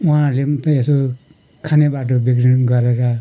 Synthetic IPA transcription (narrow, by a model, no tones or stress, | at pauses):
uɦãlemt̪ʌeso | kʰanebaʈ̬ʌbikrinɡʌɾeɾʌ